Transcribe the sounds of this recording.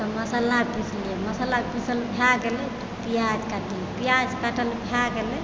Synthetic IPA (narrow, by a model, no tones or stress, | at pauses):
t̪ɔməsəlapislieməsəlapisəlbʱjaɡelɛ | pijad͡ʒkaʈəlpijad͡ʒkaʈəlbʱaɡelɛ